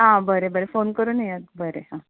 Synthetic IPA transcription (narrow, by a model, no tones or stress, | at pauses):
ɦãbəɾebəɾefonkəɾunəjat̪̚bəɾeɦã